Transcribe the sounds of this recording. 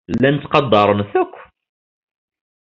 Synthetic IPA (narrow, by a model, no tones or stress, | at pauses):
lːænt̪t͡s̪ːqɑd̪ːɑɾˤənθækʷː